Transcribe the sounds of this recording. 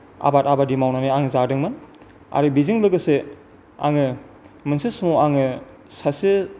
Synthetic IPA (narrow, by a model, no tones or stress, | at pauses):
a̰batabadimawnaniaŋzadɯŋmɯn | a̰ɾɯbiziŋlɯɡɯse | a̰ŋɯ | mɯnsismuaŋɯ | sasi